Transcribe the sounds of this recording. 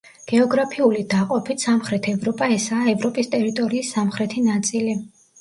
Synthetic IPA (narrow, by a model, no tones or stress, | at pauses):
ɡ̥ɛɔɡɾapʰiulid̪aqʼɔpʰit̪samχɾɛt̪ʰɛvɾɔpʼaɛsaːɛvɾɔpʼist̪ʼɛɾit̪ʼɔɾiːsːamχɾɛt̪ʰinat̪sʼili